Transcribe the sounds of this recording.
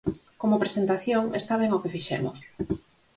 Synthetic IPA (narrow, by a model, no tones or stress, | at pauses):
komopɾesent̪aθjoŋest̪aβeŋokefiʃɛ̰mo̰s